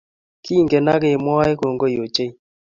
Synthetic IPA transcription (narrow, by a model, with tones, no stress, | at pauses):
ki˦˨ŋɡe˨na˦ke˦˨mɔ˦a˦e˦ko˨ŋɡo˦jo˨t͡ʃe˦